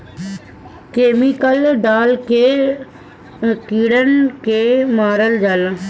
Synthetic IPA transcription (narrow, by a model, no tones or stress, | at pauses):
keːmikəlɖaːlke | kiːɽənkemaːɾəld͡ʒəl